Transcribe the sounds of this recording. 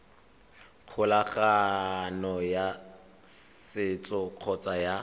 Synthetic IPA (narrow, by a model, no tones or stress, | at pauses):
q͡χʰʊlaχanɔja | sɪt͡sʼɔq͡χʰɔt͡sʼaja